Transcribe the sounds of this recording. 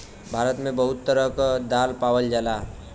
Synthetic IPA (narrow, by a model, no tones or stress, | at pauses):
bʱaɾət̪mẽbəɦʊt̪ːəɾəkəd̪alpawəld͡ʒala